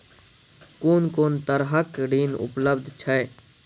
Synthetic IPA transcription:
koːnkoːnt̪əɾɦəkɖiːnʊ̰pləbd̪ʱt͡ʃʰəe

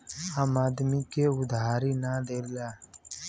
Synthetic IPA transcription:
aːmaːd̪mikeʊd̪ʱaːɾinaːd̪eːɾlaː

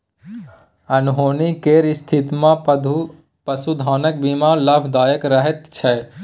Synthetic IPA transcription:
ɐnɦoːnikeːɾɪst̪ʰɪt̪mã | pəsud̪ʱaːnək̚biːmãːlɐbd̪aːjəkɾɐɦɛt̪t͡ʃʰɛ

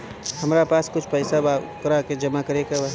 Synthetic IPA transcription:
hɐmɾapaːskʊt͡ʃʰpɛɪsabakɾaked͡ʒɐmakəɾeɡaʋɐɦ

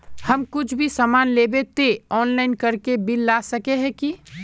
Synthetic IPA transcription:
hɐmkʊt͡ʃʰbʱisamaːnleːbet̪eɔːnlaːɪnkɐɾkebɪlːaːsəkeɦɛ̃ki

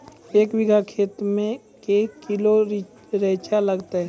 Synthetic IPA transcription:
eːkwɪɡʱakʰeːt̪mẽ | kekɪlo | ɾeːt͡ʃaləɡt̪aɦɛ

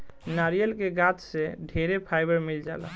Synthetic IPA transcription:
naɾijəlkeɡãt͡ʃseɖʱeɾepʰajbəɾmild͡ʒa̰ːla̰

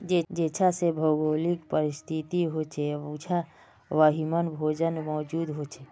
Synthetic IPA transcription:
d͡ʒed͡ʒet͡ʃʰasebʱəɡolikpəɾist̪ʰit̪iɦot͡ʃʰeut͡ʃʰa | ʋaɦimənbʱod͡ʒənmɔːd͡ʒud̪ɦot͡ʃʰe

